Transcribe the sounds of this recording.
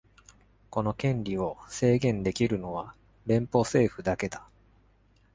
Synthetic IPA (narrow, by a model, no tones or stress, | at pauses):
ko̞no̞kẽ̞ɲɾʲio̞se̞ːɡẽ̞nd̪e̞kʲiɾɯ̟no̞βa | ɾẽ̞mpo̞se̞ːɸɯ̟d̪ake̞d̪a